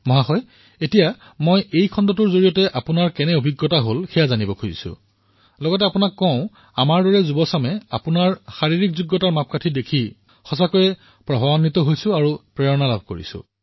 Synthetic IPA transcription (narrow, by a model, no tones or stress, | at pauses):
mɔɦaxɔj | etija | mojejkʰɔndɔtʊɹzoɹijɔtɛʔapʊnaɹkɛnɛobʱiɡːɔtaɦolxɛjazanibɔkʰozḭsʊ̰̃ | lɔɡɔtɛapʊnakːɔ̃ʊ̃ | amaɹdɔɹɛzubɔsamɛa̰pʊnaɹxaɹiɹikzuɡːɔtaɹmap̚katʰidekʰi | xɔs̬akojɛ | pɹɔbɔwanitɔɦojsʊ̃aɹupɹɛɹɔnalab̚ʱkoɹḭsʊ̰̃